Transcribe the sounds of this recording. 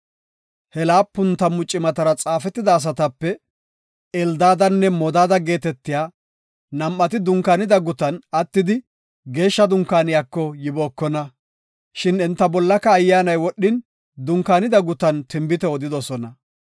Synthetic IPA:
hɛlaːpːʊnt̪ɐmʊt͡ʃʼːɪmɐt̪ɐɾɐt͡sʼaːfɛt̪ːɪd̪ɐːs̬ɐt̪ɐpːɛ | ɛld̪aːd̪ɐnːɛmɔd̪aːd̪ɐɡe̞ːt̪ɛt̪ːɪjaː | nɐmːɐt̪ɪd̪ʊŋkːanɪd̪ɐɡʊt̪ɐnɐt̪ːɪd̪ɪ | ɡe̞ːʃːɐd̪ʊŋkːaːnɪjaːkːɔjɪboːkːɔnɐ | ʃɪnɪnt̪ːɐbɔlːɐkːɐːjːaːnɐjwɔɗːɪn | d̪ʊŋkːaːnɪd̪ɐɡʊt̪ɐnt̪ɪmbɪt̪ɛɔd̪ɪd̪ɔsɔnɐ

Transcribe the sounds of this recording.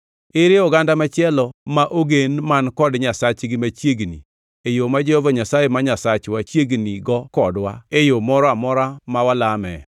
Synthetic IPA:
ɪɾɪɔɡandamat͡ʃɪɛlɔmaʔoɡenmankɔdɲasat͡ʃɡɪmat͡ʃjeɡnḭ | ejomad͡ʒɛhovaɲasajemaɲasat͡ʃwat͡ʃjeɡniɡɔkɔdwa̰ejomɔɾɔamɔɾamawalamɛ̰

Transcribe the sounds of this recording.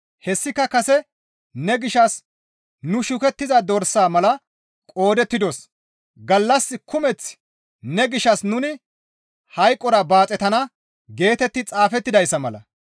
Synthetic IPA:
hɛsːɪkːɐkɐsɛ | nɛɡɪʃɐs | nʊʃʊkɛt̪ːɪzɐd̪ɔɾsaːmɐlɐ | kʼo̞ːd̪ɛt̪ːɪd̪ɔs | ɡɐlːɐsːɪkʊmɛt͡s | nɛɡɪʃɐsnʊnɪ | hɐjkʼːɔɾɐbaːt͡sʼɛt̪ɐnɐ | ɡe̞ːt̪ɛt̪ːɪt͡sʼaːfɛt̪ːɪd̪ɐjsːɐmɐlɐ̰

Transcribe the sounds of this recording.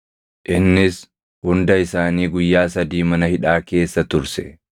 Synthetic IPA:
ʔɪnːɪs | hʊnd̪ɐɪsaːniːɡʊjːaːsɐd̪iːmɐnɐhɪᶑaːke̞ːsːɐt̪ʊɾsɛ̰

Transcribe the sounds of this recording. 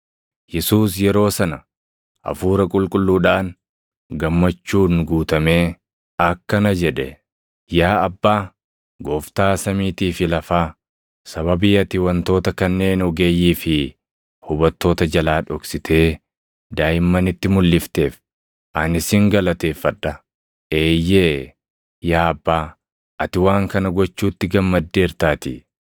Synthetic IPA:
jɛsuːsjɛɾo̞ːsɐnɐ | ʔɐ̰fuːɾɐkʼʊlkʼʊlːuːᶑaːn | ɡɐmːɐt͡ʃːuːnɡuːt̪ɐme̞ː | ɐkːɐnɐd͡ʒɛᶑɛ | jaːɐbːaː | ɡo̞ːft̪aːsɐmiːt̪iːfɪlɐfaː | sɐβɐbɪjɐt̪ɪwɐnt̪o̞ːt̪ɐkɐnːe̞ːnɔɡe̞ːjiːfɪ | hʊbɐt̪ːo̞ːt̪ɐd͡ʒɐlaːᶑɔksɪt̪ʰe̞ː | d̪aːjɪmːɐnɪt̪ːɪmʊlːɪft̪e̞ːf | ʔɐnɪsɪŋɡɐlɐt̪e̞ːfɐᶑːɐ | eːjːeː | jaːɐbːaː | ʔɐt̪ɪwaːŋkɐnɐɡɔt͡ʃːuːt̪ːɪɡɐmːɐd̪ːe̞ːɾt̪aːt̪ɪ

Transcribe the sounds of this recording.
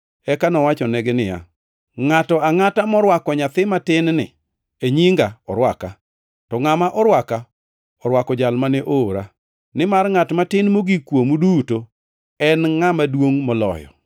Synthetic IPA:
ɛkanɔwat͡ʃɔneɡenɪja̰ | ŋatɔaŋatamɔɾwakɔɲat̪ɪmatɪnnɪ̰ | eɲiŋɡaɔɾwaka | tɔŋamaʔɔɾwaka | ɔɾwakɔd͡ʒalmanɛʔoːɾa | nɪmarŋatmatɪnmoɡikwomuduto | ɛnŋamadwoŋmɔlɔ̰jɔ̰

